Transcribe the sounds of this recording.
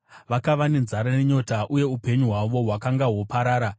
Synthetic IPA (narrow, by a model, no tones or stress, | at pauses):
ʋakaʋane̞nzaɾaneɲo̞taʔuje̞upe̞ɲuɦwaʋo̞ɦwakaŋɡawopaɾaːɾa